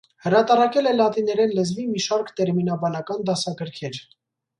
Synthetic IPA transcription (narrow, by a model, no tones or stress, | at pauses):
həɾɑt̪ɑɾɑkɛlɛlɑt̪inɛɾɛnlɛzvimiʃɑɾkt̪ɛɾminɑbɑnɑkɑnd̪ɑsɑkəɾkʰɛɾ